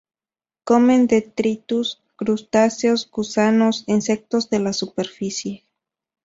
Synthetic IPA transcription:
komend̪et̪ɾit̪us | kɾust̪asjo̞sɡusanosinsek̚t̪o̞zðe̞lasupeɾfisje

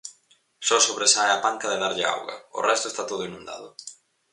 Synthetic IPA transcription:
sɔsoβɾesaeapaŋkɐðeðaɾʎɪa̰wɣɐ̰ʊ̰rʔɛst̪ʊest̪at̪oðʊinũnd̪a̰ðʊ̰

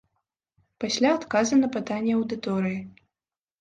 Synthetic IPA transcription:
pasʲlʲaːt̪kazɨnɐpɨt̪anʲːɛɐwd̪ɨt̪ɔɾɨji

